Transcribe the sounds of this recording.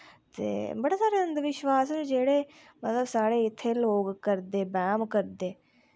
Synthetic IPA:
t̪ḛːbəɽeːsaːɾeːənd̪ʋɪʃʋaːsɛnd͡ʒeːɽeː | mət̪ləbsaːɽeːɪt̪ʰːeːloːɡkəɾd̪eːbɛːmkəɾd̪eː

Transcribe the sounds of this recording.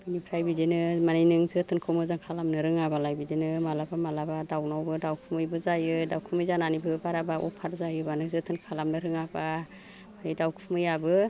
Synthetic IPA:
bɯnipʰɾajbidenɯmanijnɯŋzɯtʰɯnkʰɯwmɯzaŋkʰalamnɯɾɯŋabalajbidenɯmalabamalabadawnawbɯdawkʰumɯjbɯzajɯdawkʰɯmɯjzananibɯbaɾabaʔɔ̰pʰaɾzajɯbanɯŋzɯtʰɯnkʰalamnɯɾɯŋaba | manijdawkʰumɯjabɯ

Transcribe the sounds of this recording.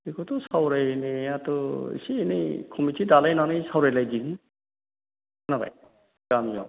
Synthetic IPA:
ikʰɔtɔsawɾajneatɔḭsiːnijkʰumitʰidalajnanɯjsawɾajlajdini | naba̰j | ɡamijɔ̰

